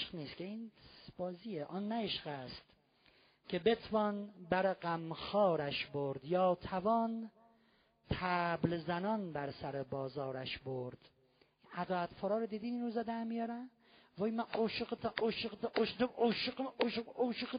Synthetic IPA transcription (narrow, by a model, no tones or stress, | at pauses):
ʃqniːskʲʰeinbɒːziːjeʔɔnːæeʃqæst̪ | kʰebet̪ʰvɒːnbæɾeɡæmxɒːɾæʃboɾd̪jɒːt̪ʰævɒn | t̪ʰæblzænɒnbæɾsæɾebɒːzɒːɾæʃboɾd̪̥ | inæd̪ɒːæt̪fɔːɾɒːɾod̪iːd̪iːniːnɾuzæd̪æɾmijɒːɾæn | vɒːjimænʔoʃqt̪ʰʔoʃeq̪ʔoʃoʃqoʃoʃq